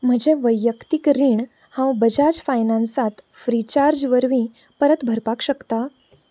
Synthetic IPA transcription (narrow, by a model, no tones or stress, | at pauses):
m̤əɳd͡ʑeʋəjːəkt̪ikɾiːɳ | hãwbəd͡ʑad͡ʑfajnãnsãt̪ | fɾit͡ɕaɾd͡ʑʋəɾʋĩ | pəɾət̪bʱəɾpakɕəkt̪a